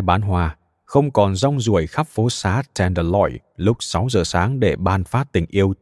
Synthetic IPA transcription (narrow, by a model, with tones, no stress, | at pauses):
ɓaː˨˦nɦwaː˧˩ | xə˧wŋ͡mkɔ˨˩nzɔ˧wŋ͡mzu˧˩əjxa˦˥p̚fo˨˦saː˨˦tɛ˧˩nɗə˧˩lɔ̰˧˩j | lʊ˦˥k͡p̚sa˨˦wzəː˨˩saː˨˦ŋɗe˧˩ɓaː˧nfaː˦˥t̚t̪ï˧˩ŋ̟ʔi˧əw